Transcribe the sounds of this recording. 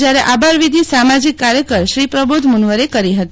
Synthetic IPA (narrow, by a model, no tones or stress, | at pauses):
d͡ʒjaɾeʔabʱaɾʋid̪ʱisamad͡ʒikːaɾjəkəɾʃɾipɾəbud̪ʱmunʋəɾekəɾiɦət̪i